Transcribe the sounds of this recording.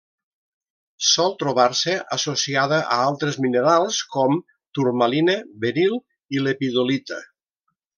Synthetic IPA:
sɔlˠt̪ɾoβ̞aɾsəʔasosiaðəʔəalˠt̪ɾezmineɾalˠskɔm | t̪uɾmalinəbeɾilˠ | ilepiðolit̪ə̰

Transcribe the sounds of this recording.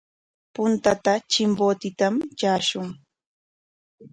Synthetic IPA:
pʊnt̪at̪at͡ʃɪmboːt̪ɪt̪amt͡ʃaːʃʊŋ

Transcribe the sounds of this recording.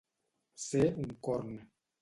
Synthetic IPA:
seuŋ̩kɔɾnɛ

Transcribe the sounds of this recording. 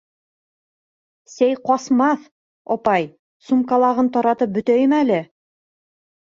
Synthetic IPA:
sæjqɒsmɑθ | ɒpɑj | sumkɑlˠɑʁɤnt̪ɒɾɑt̪ɤp̚bɵ̆t̪æjɘmælɘ

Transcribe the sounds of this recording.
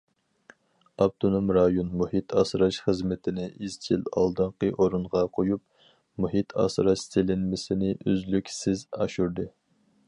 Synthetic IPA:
ɑb̚t̪ʰonumɾɑjonmuhit̪ʰɑsɾɑʃχəzmɪt̪ʰɪnɪʔizʰilɑ̰lˠd̪ɨɴqəʔoɾunʁɑqʰojup̚ | muɦit̪ʰɑ̰sɾɑʃselɪnmɪsɪnɪʔøzlykʲsɪzɑ̰ʃuɾd̪ɨ

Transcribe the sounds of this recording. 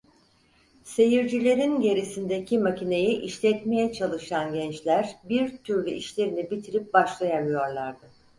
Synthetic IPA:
se̞jiɾd͡ʒilʲe̞ɾinɟe̞ɾisind̪e̞cʰimacine̞jiʔiʃlʲɛt̪me̞jɛt͡ʃʰalˠɯʃanɟɛnt͡ʃlʲæɾbiɾt̪ʰyɾlʲyʔiʃlʲe̞ɾinibit̪ʰiɾip̚baʃlˠajamˠɯjo̞ɾlˠaɾd̪ɯ

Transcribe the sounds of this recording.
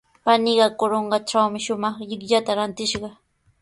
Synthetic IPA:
panɪɢɑkoɾoɴɢɑʈ͡ʂawmɪʃʊmɑχʎɪkʎat̪aɾant̪ɪʃɢɑ

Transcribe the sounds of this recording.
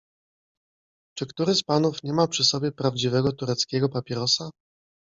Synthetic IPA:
t͡ʂɘkt̪uɾɘspanufɲɛmapʂɘsɔbʲjɛpɾavd͡ʑivɛɡɔt̪uɾɛt̪skʲɛɡɔpapʲjɛɾɔsa

